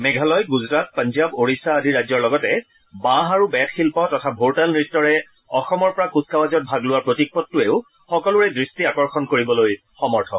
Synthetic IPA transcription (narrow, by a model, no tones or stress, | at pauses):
mɛɡʱalɔjɡuzɹat̚pãnzaboɹisaːdʱiɹajzɔɹlɔɡɔtɛ | bãɦaɹubɛtxʰilpɔtɔtʰabʱoɹtalnɹitːɔɹɛ | ɔxɔmɔɹpɔɹakuskawazɔt̚bʱaɡlʊwaɹpɹotik̚pɔtːʊeʊ | xɔkɔlʊɹɛdɹistiakɔɹxɔnkoɹibɔloj | xɔmɔɹtʰɔ